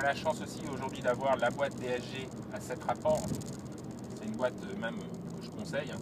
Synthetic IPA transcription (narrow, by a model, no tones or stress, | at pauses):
laʃɑ̃sosioʒuʁd̪ɥid̪avwaʁlabwat̪̚d̪eɛʒe | asɛt̪χapɔʁ | sɛynbwat̪ømɛm | kəʒəkɔ̃sɛjɛ̃